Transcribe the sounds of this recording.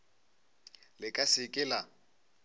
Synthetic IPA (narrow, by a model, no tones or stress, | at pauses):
lɪkʼasɪkʼɪla